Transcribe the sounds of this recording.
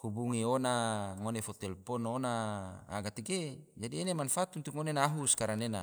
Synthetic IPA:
kubuŋionaŋonefɔt̪ɛlpɔnonaa̰ɡat̪eɡed͡ʒadienemanfat̪unt̪uŋonenaɦuskaɾanena̰

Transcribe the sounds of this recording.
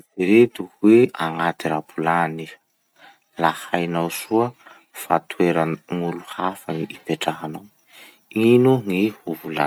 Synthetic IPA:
diɾed̪uhweaŋat̪iɾapulani | lahajnawsuə | fa̰t̪ʰweɾəŋuluhafəniʔipeʈ͡ʂaɦanaw | inuŋihuvula̰

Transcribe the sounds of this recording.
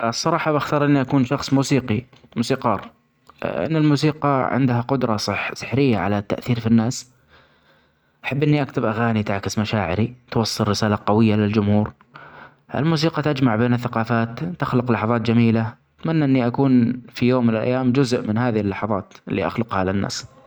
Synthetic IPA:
sˤːɑɾˤɑːħɑbaxt̪ɑːɾˤʔɪnːiʔakuːnʃɑxsˤmuːsiːqi | muːsiːqɑːrˤ | ʔɪ̰nːɪlmuːs̬iːqɑʕɪ̰nd̪haqʊd̪ɾˤɑsˤħsˤɨ̥ħɾɪjːaʕa̰lat̪ːa̰ʔθiːɾfinːaːs | ʔaħabːʔɪnːiʔakt̪ɪbʔaɣaːnit̪aʕkɪsmaʃaːʕɪ̰ɾit̪wɑsˤːɨlːɪsaːlaqɑwɪjːalɪld͡ʒʊmhuːɾ | ʔɪ̰lmuːs̬iːqɑt̪ad͡ʒmaʕbeːnɪθːaqɑːfaːt̪t̪ɪxlʊqlɑħɑðˤɑːt̪̚d͡ʒamiːla | ɪt̪manːaʔɪnːiʔakuːnfijoːmːɪnɪlʔa̰jːaːmd͡ʒʊzʔmɪnɦaːðɪhɪlːɑħɑðˤɑːt̪ʔɪlːḭʔa̰xlʊqhalɪnːa̰ːs

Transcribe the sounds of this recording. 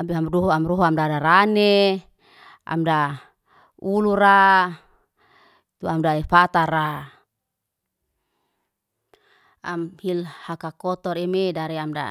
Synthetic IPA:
abiamduɦuamruɦuamdadaɾane | ʔa̰mda | uluɾa | t̪uamdaefat̪aɾa | amhilhakakɔt̪ɔɾemedaɾeamda̰

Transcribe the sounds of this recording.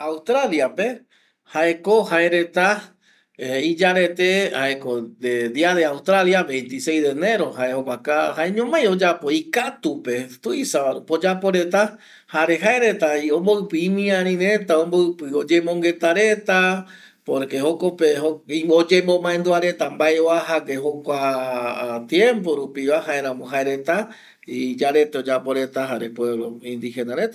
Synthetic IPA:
awst̪ɾaljape̞ | hae̞ko̞haeɾe̞t̪a | id͡ʒaɾe̞t̪e̞haekod̪ed̪iaðeawst̪ɾaljaβẽ̞jnt̪isejd̪eːne̞ɾo̞haeokʷakahaeɲõmãjo̞d͡ʒapo̞ikat̪upe̞t̪uisapo̞d͡ʒapo̞ɾe̞t̪a | haɾe̞ɦaeɾe̞t̪aiõmboɨpɨĩmĩãɾ̃ĩɾe̞t̪aõmboɨpɨod͡ʒe̞mõŋɡe̞t̪aɾe̞t̪a | poɾkehokopehoiod͡ʒemõmãẽnd̪uaɾe̞t̪ambaeoaɦakeɦokʷa | t̪jẽmp̬o̞ɾupiʋaɦaeɾ̃ãmõɦaeɾe̞t̪a | id͡ʒaɾe̞t̪eod͡ʒapo̞ɾe̞t̪aɦaɾepwe̞βloĩnd̪ihe̞naɾet̪a

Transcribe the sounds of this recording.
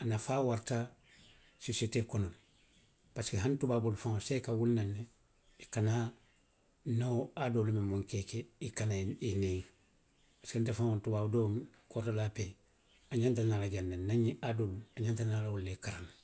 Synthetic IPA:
anafaːwaɾta | soseteːkonol | paskiɦantubaːbulfaŋosekawulnanːe | ikana | noadolumimuŋkekeikanaineŋ | paskentefaŋontubaːbudomkotolape | aɲantanalaɟandannaɲiʔadoluaɲantanalawulːekaɾan

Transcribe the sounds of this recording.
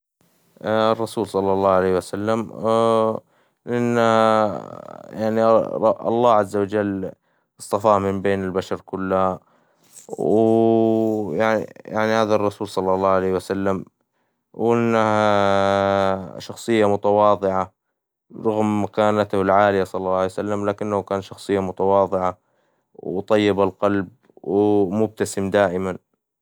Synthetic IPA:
rˤːɑsuːlsˤɑlːɑlˤːɑːʕalejːhwasalːam | ʔʔɪnː | jaʕniʔɑ̰lˤːɑːʕazːawad͡ʒalː | ʔɨsˤt̪ˤɑfaːmɪmbeːnɪlbaʃɑɾˤkʊlːa | w | jaʕ̰jaʕnihaːðarˤːɑsuːlsˤɑlːɑlˤːɑːʕalejhwasalːam | wʔɪnːaha | ʃɑxsˤɨjːamʊt̪awɑːðˤɨʕa | ɾˤʊɣmːakaːnat̪hʊlʕaːlɪjasˤɑlːɑlːɑːʕjsalːamlaːkɪnːahʊkaːnʃɑxsˤɨjːamʊt̪awɑːðˤɨʕa | wt̪ˤɑjːɪbalqɑlb̚ | wɪmʊb̚t̪asɪmd̪aːʔɪman

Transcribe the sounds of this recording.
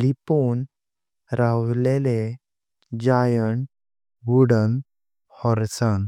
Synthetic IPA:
lipon | ɾawlele | d͡ʑajəɳ | ɡuɽən | hɔɾsən

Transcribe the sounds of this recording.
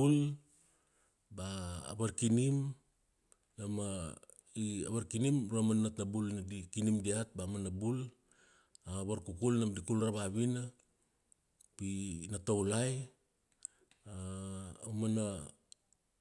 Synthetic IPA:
ul | ba̰ːβaɾkinim | nama | ia̰βaɾkinimɾamanatnabulnadikinimdiat̚bamanabul | aːβaɾkukulnamdikulraβaβina | pinatowlaj | aː | wmana

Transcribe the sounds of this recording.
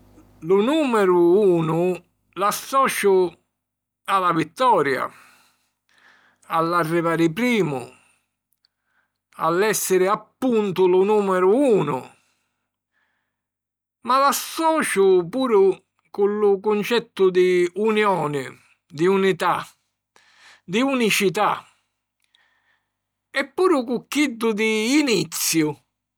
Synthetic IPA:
lʊnuːmɛɾʊuːnʊ | lasːɔːt͡ʃʊ | alavit̪ːɔːɾja̰ | alːarːivaːɾɪpɾiːmʊ̰ | a̰lːɛsːɪɾɪapːunt̪ʊlʊnuːmɛɾʊuːnʊ̰ | malasːɔːt͡ʃʊpuːɾʊ | kʊlːʊkʊnt͡ʃɛt̪ːʊd̪iunjɔːnɪ | d̪iunit̪a | d̪iunit͡ʃit̪a̰ | ɛpːuːɾʊkʊkːid̪ːʊd̪iːnit̪sːjʊ

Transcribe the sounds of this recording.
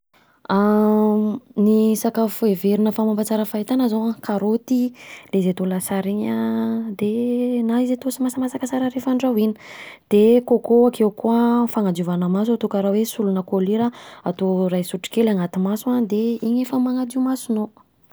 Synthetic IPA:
a | nisakafueveɾinəfamampat͡saɾəfait̪anəzoakaɾot̪ilezet̪olasaɾiɲəd̪enaizet̪osimasəmasakəsaɾəɾefaɳɖ͡ʐawini̥d̪̥ekokoakewkuəfaŋad͡ʒiuvanəmas̬ot̪ukaɾawesulunəkoliɾəat̪oɾajsuʈ͡ʂi̥kelaŋat̪imasuad̪eiɲefəmaŋad͡ziumasuno

